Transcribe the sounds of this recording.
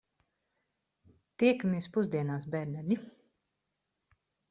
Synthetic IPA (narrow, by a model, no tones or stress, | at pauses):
t̪iɛkamiɛspuzd̪iɛnaːsbʲɛɾnɛɾʎi